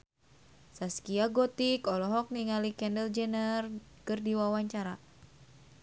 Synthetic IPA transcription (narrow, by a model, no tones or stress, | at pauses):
saskiaɡɔt̪ikɔlɔɦɔk̚niŋalikɛndɛld͡ʒɛnərkɨrdiwawaɲt͡ʃaɾa